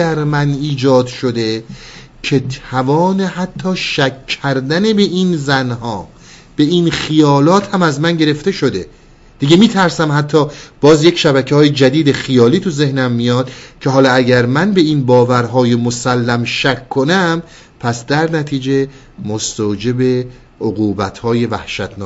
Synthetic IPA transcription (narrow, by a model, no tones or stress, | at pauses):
æɾmæniːd͡ʒɒːd̪ʃod̪e̞ | cʰe̞t̪ʰævɒːneɦæt̪ʰːɒːʃækʰːæɾd̪æne̞be̞ʔinzænɦɒː | b̥e̞inxijɒːlɒːt̪ʰhæmæzmænɟe̞ɾe̞ft̪e̞ʃo̞d̪e̞ | d̪̥iɡemiːt̪ʰæɾsæmhæt̪ʰːɒːb̥ɒːzje̞cʰʃæbæcʰehɒːjed͡ʒæd̪iːd̪e̞xijɒːliːt̪ʰuze̞hnæmːijɒːd̪̥cʰe̞ɦɒːlɒːæɟæɾmænbe̞inbɒːvæɾɦɒːjemosælːæmʃækʰːonæm | pʰæsd̪æɾnæt̪ʰiːd͡ʒe̞ | most̪od͡ʒe̞be̞ | oɣuːbæt̪hɒːje̞væ̰hʃæt̪ʰnː